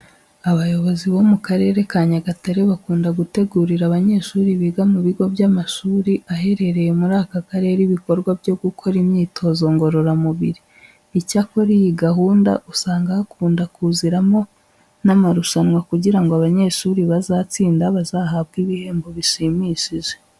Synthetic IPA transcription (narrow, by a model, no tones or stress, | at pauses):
aβajo̞βo̞ziβo̞mukaɾe̞ɾe̞kaːɲaɡataɾeβakuːndaɡute̞ɡuːɾiɾaβaɲe̞ʃuːɾiβiɡamuβiɡo̞bjamaʃuːɾiʔaɦe̞ɾe̞ɾe̞je̞muɾaːkakaɾe̞ɾiβiko̞ɾɡwabjo̞ɡukʰo̞ɾimɲiːtʰo̞zo̞ŋɡo̞ɾo̞ɾamuβiɾiː | cako̞ɾijiɡaɦuːnda̰ʔusaːŋɡahakʰuːndakuziɾamo̞ | namaɾuʃanwakuɟiɾaŋɡoaβaɲe̞ʃuːɾiβazaːt͡siːndaβazaɦaβɡiβihe̞ːmbo̞βiʃimiʃiʒe